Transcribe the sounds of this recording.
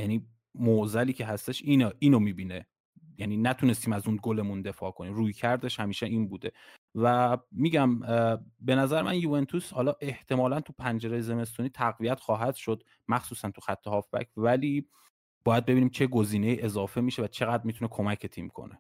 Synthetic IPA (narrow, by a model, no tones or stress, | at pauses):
jæniː | moʔzæliːcʰe̞ɦæst̪e̞ʃiːneʔiːnomiːbiːne | jæniːnæt̪ʰune̞st̪iːmæzunɡole̞mund̪e̞fɒːkʰoniːmruːjcʰæɾd̪e̞ʃhæmiːʃeʔiːnbuːd̪e̞ | væmiːɟæmbe̞næzæɾemænjuent̪ʰushɒːlɒːʔe̞ht̪ʰe̞mɒːlænt̪ʰupʰænd͡ʒe̞ɾejeze̞me̞s̬t̪uniːt̪ʰæɣvijæt̪xɒːɦæd̪̥ʃo̞d̪ | mæxsuːsænt̪ʰuxæt̪ʰːehɒːfbæ̰cʰvæliː | bɒːjæd̪̚be̞biːniːmt͡ʃʰe̞ɡo̞ziːne̞iːʔe̞zɒːfe̞miːʃe̞væt͡ʃʰe̞ɣæd̪ɾmit̪unekʰo̞mæcʰet̪ʰiːmkʰo̰ne